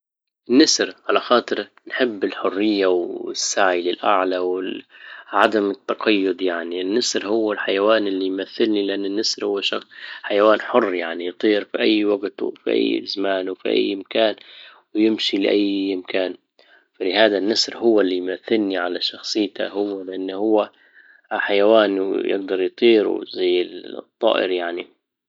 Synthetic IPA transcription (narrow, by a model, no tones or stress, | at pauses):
ʔɪnːasɾʕalaxɑːt̪ˤɨɾ | nħɪbːɪlħʊrːɪjːawɪsːaʕilɪlʔaʕlawɪ | ʕad̪amɪt̪ːɑqɑjːʊd̪jaʕninːasɾhʊwːɪlħajawaːnɪlːijmaθːɪlnilɪʔanːɪnːasɾhʊwːʃɑħajawaːnħʊrːjaʕnijt̪ˤiːɾfiʔajːwaɡt̪fḭʔa̰jːzamaːnwfḭʔa̰jːɪmkaːnwɪjɪmʃilɪʔajːɪmkaːn | falɪhaːd̪anːasɾɦʊwːalːijmaθːɪlniʕalaʃɑxsˤɨjːt̪ʰa̰hʊwːalɪʔanːhʊwːa | ħajawaːnjɪ̰ɡ̚d̪ɑɾˤjt̪ˤiːɾṵzajːɪt̪ˤːɑ̰ːʔɪ̰ɾjaʕni